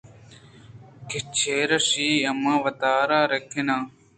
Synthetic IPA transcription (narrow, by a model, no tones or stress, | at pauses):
kɪt͡ɕʰeːɾɐsiːɐmãːʋɐt̪aːɾaːɾekʰenaː